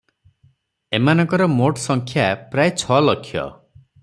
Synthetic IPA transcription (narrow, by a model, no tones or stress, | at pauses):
emanɔ̃ŋkɔɾɔmoʈsɔŋkʰjapɾajt͡ʃʰɔlɔkʰjɔ̰